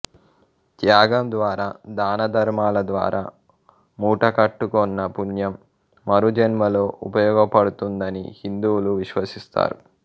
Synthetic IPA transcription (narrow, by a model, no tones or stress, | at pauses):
t̪jaːɡɐmd̪ʋaːɾaːd̪aːnɐd̪ʱɐɾmaːlɐd̪ʋa̰ːɾʔaː | muːʈɐkɐʈːukɔnːɐpunjɐmː | ɐɾud͡ʒɐnmɐlo̞ːʔupɐjɔːɡɐpɐɽut̪und̪ɐnḭhind̪uːluʋiʃʋɐsist̪a̰ːɾṵ